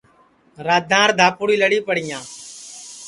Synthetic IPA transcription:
ɾaːd̪ʱãːɾd̪ʱaːpʊɽiːləɽiːpəɽɪjãː

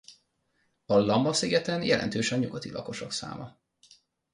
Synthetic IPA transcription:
ɒlɒmbɒsiɡɛt̪ɛnjɛlʔɛ̰nt̪øːʃɒɲuɡɒt̪ilɒko̞ʃo̞ksa̰ːmʔɒ

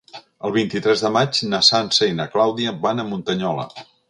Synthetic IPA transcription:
əlˠβint̪it̪ɾɛzðəmad͡ʒnəsansəinəklawðiəβanəmunt̪əɲɔlə̰

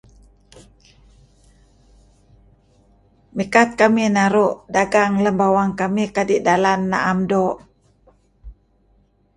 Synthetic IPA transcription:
mikat̪̚kaminaɾuʔdaɡaŋləmbawaŋkamikadiʔdalanːa̰ʔamdɔʔ

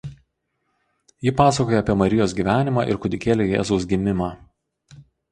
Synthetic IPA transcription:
jɪpɑːsɐkoːjɛɐpʲiɛmɐɾʲɪjoːsɡʲiːʋʲæːnʲɪmɑ̰ːʔɪ̰ɾkʊd̪ʲɪkʲeːlʲeːjɛ̰ːzɔʊsɡʲɪmʲɪmɑː

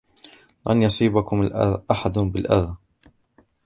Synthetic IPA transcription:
la̰njɑsˤiːbakʊmalʔa̰ðʔaħad̪ʊbɪlʔa̰ð

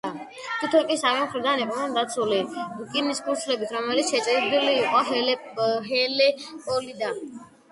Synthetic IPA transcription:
a | t̪ʰit̪ʰɔnkʼisavɛmχɾd̪aniqʼnɛnd̪at̪sʰuliukʼimiskʰʼuɾt̪ʰlɛbit̪ʰɾɔmɛlit̪sʃɛt͡ʃʼɾid̪iliːqʼɔɦɛɛ | ɦɛlɛpʼɔlid̪a

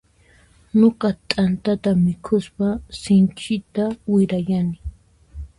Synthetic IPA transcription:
nokat̪ʼant̪at̪amɪkʰʊspasɪnt͡ʃʼɪt̪awɪɾajanɪ

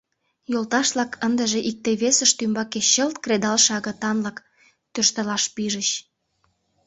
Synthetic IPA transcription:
jolt̪ɑʃlɑkʰənd̪əʒeʔik̚t̪eβesəʃt̪ymbɑkeɕəlt̪kred̪ɑlʃɑɣə̆t̪ɑnlɑk | t̪ørʃt̪əlɑʃpiʒəɕ

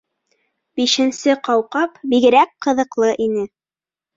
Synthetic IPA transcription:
biʃɘ̆nsɘqɑwqɑpbiɡɘ̆ɾæk̚qɤ̆ðɤ̆qlˠɤʔinɘ

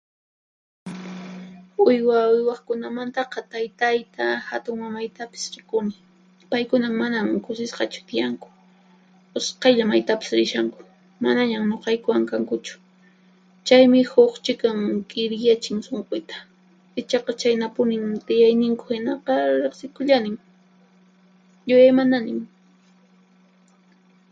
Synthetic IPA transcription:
ʊjwaʊjwɑχkʊnamant̪ɑqɑt̪ajt̪ajt̪ahat̪ʊŋmamajt̪apɪ̥sɾɪkʊnɪ | pajkʊnaŋmanamkʊsɪsqɑt͡ʃʊ̥t̪ɪjaŋkʊ̥ | ʊsqɑʎamajt̪apɪ̥sɾɪʃaŋkʊ̥ | manaɲamɲoqɑjkʊwaŋkaŋkʊt͡ʃʊ̥ | t͡ʃajmɪhoχt͡ʃɪkaŋkʼɪɾjat͡ʃɪŋsoɴqʊjt̪ḁ | ɪt͡ʃɑqɑt͡ʃajnapʊnɪŋt̪ɪjajnɪŋkʊ̥hɪnɑqɑɾeχsɪkʊʎanɪŋ | jʊjajmananɪm

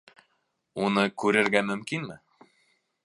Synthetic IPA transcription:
unɤkʉɾɘ̆ɾɣæmɵ̆mkinmɘ̆

